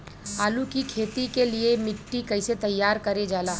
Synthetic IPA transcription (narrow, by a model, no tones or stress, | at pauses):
aːlukikʰeːt̪ikeliemɪʈːikɐɪset̪ɐjːaːɾkɐɾed͡ʒaːlaː